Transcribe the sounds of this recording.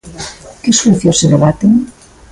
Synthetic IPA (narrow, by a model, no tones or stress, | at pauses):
keswuθjoseloβat̪eŋ